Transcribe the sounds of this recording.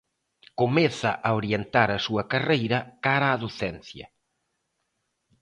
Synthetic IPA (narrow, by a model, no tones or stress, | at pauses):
komɛθɐʔaoɾjent̪aɾɐsuɐkarejɾɐkaɾaːðoθɛnθjɐ̰